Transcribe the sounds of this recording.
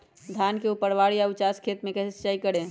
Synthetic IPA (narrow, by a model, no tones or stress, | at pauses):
d̪ʱankeupəɾʋaɽijaʊt͡ʃaskʰet̪mẽkɛsest͡ʃaikəɽẽ